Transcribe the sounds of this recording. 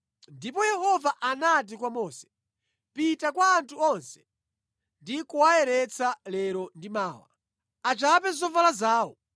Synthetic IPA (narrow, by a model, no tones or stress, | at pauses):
ndipɔjɛhɔvaʔanat̬ikwamɔːsɛ̥ | pitakwaːntʰuɔnsɛ̥ | ndikuwaɛɾɛt͡sʰalɛɾɔndimaːwa̰ | at͡ʃapɛzɔvalazaːwɔ